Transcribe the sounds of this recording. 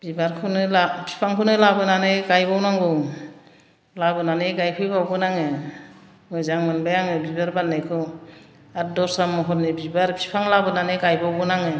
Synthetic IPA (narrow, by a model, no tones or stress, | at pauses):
b̥ibaɾkʰɯnɯlapʰi̥pʰaŋkʰɯnɯlabɯnanɯɡajbawnaŋɡɯ | labɯnaneɡajpʰɯjbawbɯnaŋɯ | mɯjzaŋmɯnbajaŋɯbibaɾbanːajkʰɯ | at̚dɔɾsamːɔɦɔtnebibaɾpʰi̥pʰaŋlabɯnaneɡajbawbɯnaŋɯ